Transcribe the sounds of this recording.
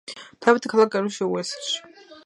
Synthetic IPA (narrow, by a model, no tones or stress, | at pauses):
t̪ʰavit̪ʰikʰalˠak̚aɾuʃɛuɛsɛʃi̥